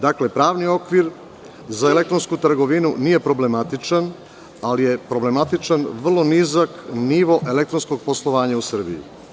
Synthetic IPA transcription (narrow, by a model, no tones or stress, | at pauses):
d̪akle̞pɾaːʋnio̞kʋiɾ | zaele̞k̚t̪ɾo̞nskut̪ɾ̩ɡo̞ʋinuniːje̞pɾo̞ble̞mat̪it͡ʃan | alije̞pɾo̞ble̞mat̪it͡ʃanʋr̩lˠo̞nizakniʋo̞ʔe̞le̞k̚t̪ɾo̞nsko̞ɡ̚poslˠo̞ʋaːɲausr̩bḭjṵ